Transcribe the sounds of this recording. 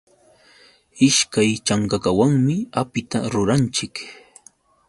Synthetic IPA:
ɪʃkajt͡ʃaŋkakawaŋmɪapɪt̪aɾʊɾant͡ʃɪk

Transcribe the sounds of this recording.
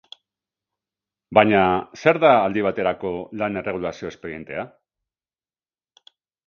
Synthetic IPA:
baɲase̞ɾðaːld̪iβ̞at̪e̞ɾako̞lane̞re̞ɣ̞ulasio̞espe̞ɾie̞nt̪e̞a

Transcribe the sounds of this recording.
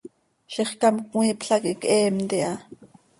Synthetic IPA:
ʃiχkɑmkŋiːpɬakikʔɛːmt̪iʔɑ

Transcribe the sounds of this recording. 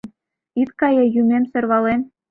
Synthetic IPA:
n | it̪kɑjejumʲemsø̆rβɑlen

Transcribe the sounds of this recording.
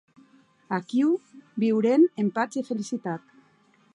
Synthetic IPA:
akiwbiwɾenempat͡sifelisit̪at̪

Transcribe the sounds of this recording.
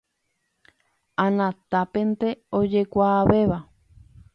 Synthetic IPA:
anãt̪apent̪eod͡ʒekʷaːβeβa

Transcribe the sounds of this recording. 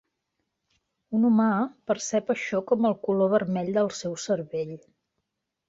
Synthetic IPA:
unumapəɾsɛpəʃɔkɔməlˠkuloβəɾmɛʎd̪əlˠsɛwsəɾβeʎ

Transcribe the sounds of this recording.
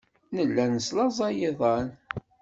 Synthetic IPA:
nəlːænəslɑzˤɑjiðˤɑn

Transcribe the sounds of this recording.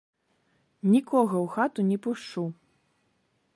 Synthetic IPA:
nʲikʰɔɣɐwxat̪unʲɛpuʂt͡ʂu

